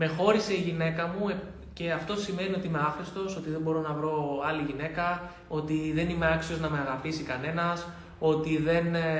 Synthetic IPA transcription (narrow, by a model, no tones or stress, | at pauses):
me̞xo̞ɾise̞iʝine̞kɐmue | ce̞ɐft̪o̞sime̞nio̞t̪iime̞ɐfɾist̪o̞so̞t̪iðe̞bo̞ɾo̞nɐvɾo̞ɐliʝine̞kɐ | o̞t̪iðe̞nimeɐksio̞znɐme̞ɐɣɐpisikɐne̞nɐs | o̞t̪iðe̞n